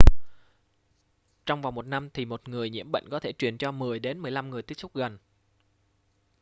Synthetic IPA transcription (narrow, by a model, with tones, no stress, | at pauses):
t͡ɕɔ˧wŋ͡mva˨˩wmo˨˩t̚na˧mt̪ʰi˨˩mo˨˩t̚ŋɨ˨˩əjɲḭ˧˥əmɓə̰˧˨jŋ̟kɔ˨˦t̪ʰe˧˩t͡ɕwi˨˩ənt͡ɕɔ˧mɨ˨˩əjɗe˨˦nmɨ˨˩əjla˧mŋɨ˨˩əjt̪i˦˥ək̚sʊ˦˥k͡p̚ɣə˨˩n